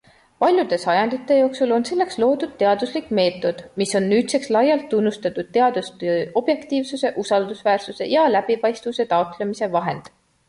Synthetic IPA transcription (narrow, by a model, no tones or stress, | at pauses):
pɑlʲjud̪̥e̞sɑjɑnd̪̥it̪ːˑe̞jo̞ːksulo̞nse̞lːe̞kslo̞ːd̪̥ud̪̚t̪e̞ɑd̪uslikːˑme̞ːt̪ːˑo̞d̪̥miso̞nːyːt̪se̞kslɑjɑlt̪ːunːust̪ɑt̪ːud̪̥̚t̪e̞ɑd̪̥ust̪o̞b̥je̞kt̪iːvsuse̞ʔusɑld̪usvæːrsuse̞̰jɑlæb̥ipɑjst̪vuse̞t̪ɑot̪lemise̞vɑɦe̞nd̪̥